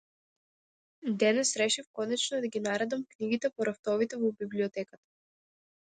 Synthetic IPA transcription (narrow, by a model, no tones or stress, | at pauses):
d̪ɛnɛsɾɛʃifkɔnɛt͡ʃnɔd̪aɡʲinaɾɛd̪amkniɡit̪ɛpɔɾaft̪ɔvit̪ɛvɔbibliɔt̪ɛkat̪ḁ